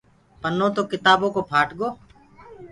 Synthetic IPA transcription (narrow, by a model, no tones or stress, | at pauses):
pənõːt̪oːkɪt̪aːboːkoːpʰaːʈɠoː